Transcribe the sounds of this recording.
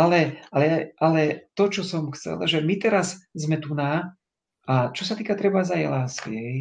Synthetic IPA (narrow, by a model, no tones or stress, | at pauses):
alɛalɛjaʔalɛt̪ɔt͡ʃɔsɔmxt͡sɛ̰lʒɛmit̪ɛɾazzmɛt̪una | at͡ʃɔsat̪iːkat̪ɾɛbazajɛlaːskḭɦɛj